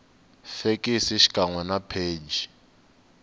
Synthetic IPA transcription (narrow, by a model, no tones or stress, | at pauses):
fekʼisiʃi̥kʼaŋwɛnapʰeːd͡ʒi